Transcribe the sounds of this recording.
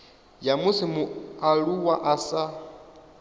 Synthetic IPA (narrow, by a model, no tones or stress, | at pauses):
jamusimuaɺuwaʔasa